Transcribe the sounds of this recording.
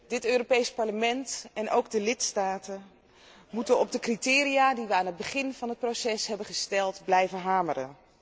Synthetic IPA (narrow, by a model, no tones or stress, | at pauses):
dɪtøːropejspɑɹləmɛntɛnʔowɡdəlɪtstaːtən | mutənɔb̚dəkritɪːɾijaːdiʋəaːnɦəd̚bəχɪnv̥ɑnɦət̚prosɛsɦɛbənχəstɛlˠtblɛjvənɦaːmərə̰n